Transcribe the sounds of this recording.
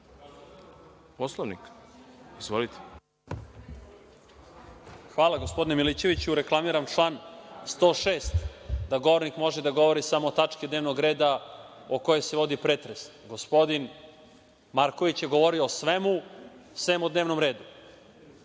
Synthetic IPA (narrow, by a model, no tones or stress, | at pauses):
poslˠoʋnik | izvʋolit̪ʰe̥ | xʋaːlaɡospo̞d̪inemilit͡ɕe̞ʋit͡ɕuuɾeklˠamiɾamʈ͡ʂlˠaːnst̪oːʃeːst̪d̪aɡo̞ʋoɾnikmo̞ʒed̪aɡo̞ʋo̞ɾisamoːt̪at͡ʂkid̪neʋnoɡɾeːd̪a | oko̞je̞jseʋo̞d̪ipɾet̪ɾes | ɡo̞spo̞d̪in | maɾko̞ʋit͡ɕjeɡo̞ʋoɾioːsʋemusʋemod̪neʋnomɾe̞ːd̪u